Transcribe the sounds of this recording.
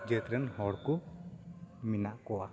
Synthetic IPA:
d͡ʒət̪ɾənhɔɾku | minaʔkoa

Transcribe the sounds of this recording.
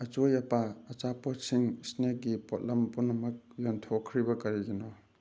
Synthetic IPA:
ɐt͡ʃojɐpaːt͡ʃapɔtsiŋsnek̚ɡipɔt̚lɐmpunɐmɐk̚jɔntʰokʰɾibɐkɐɾiɡinɔ

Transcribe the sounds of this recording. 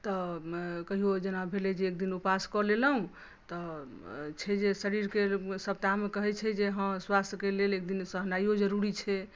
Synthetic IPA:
t̪ɔkəɦiod͡ʒenabʱeled͡ʒeːk̚d̪inupaskɔleləɦũ | t̪ɔ | t͡ʃʰɛd͡ʒesəɾiɾkesəp̚t̪amekəɦɛt͡ʃʰɛd͡ʒeɦə̃mswast̪əkelelekd̪insəɦnajod͡ʒəɾuɾit͡ʃʰɛ

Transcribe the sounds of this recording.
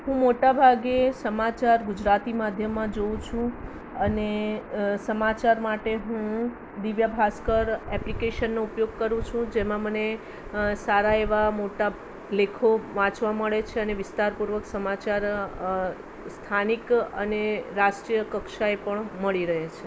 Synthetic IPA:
ɦũmoʈabʱaɡesəmat͡ʃaɾɡʊd͡ʒɾat̪imad̪ʱjəmːãd͡ʒow̃t͡ʃʰũ | əne | səmat͡ʃaɾmaʈeɦũ | d̪iʋjabʱaskəɾɛplikeʃənːoupjoɡ̚kəɾũt͡ʃʰũd͡ʒemãməne | saɾaeʋamoʈa | lekʰoʋãt͡ʃʋaməɭet͡ʃʰeəneʋɪst̪aɾpuɾʋəksəmat͡ʃaɾ | st̪ʰanikə̰neɾasʈɾijəkəkʃaepəɳməɭiɾəɦet͡ʃʰe

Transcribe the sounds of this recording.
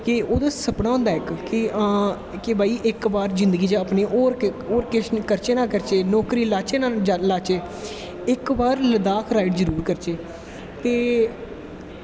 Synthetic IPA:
kɪoːd̪aːsəpɽãːõʊ̃ːnd̪aːɪkkɪãː | kebaːiːʔɪkbaːɾzɪ̃nd̪əɡiːd͡ʒaəpneːʔoːɾoːɾkɪʃkəɾt͡ʃeːnãːkəɾt͡ʃeːnɔːkɾiːlaːt͡ʃeːnãːd͡ʒalaːt͡ʃeː | ɪkbaːɾləd̪aːkʰɾaːɪʈzəɾuːɾkəɾt͡ʃeː | t̪eː

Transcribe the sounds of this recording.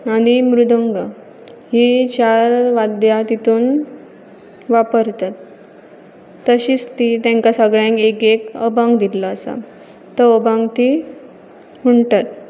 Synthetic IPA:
aɽ̃imɾud̪ʱəŋɡa | ɦit͡ɕaɾʋad̪jat̪it̪uːn | ʋapəɾt̪at̪ | əɕiːt͡st̪it̪jãŋkasəɡɭjãŋkekekəbãŋɡd̪illaəsa̰ | t̪əəbãŋɡt̪i | muɳʈ̪at̪̚

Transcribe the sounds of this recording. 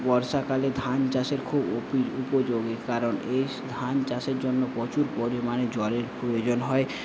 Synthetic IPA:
bɔɾʃakaled̪ʱant͡ɕaʃeɾkʰubopiɾupod͡ʑoɡekaɾone | d̪ʱant͡ʃaseɾd͡ʑonːopɔt͡ɕuɾpoɾimaned͡ʑɔleɾpɾojod͡ʑonɦɔe

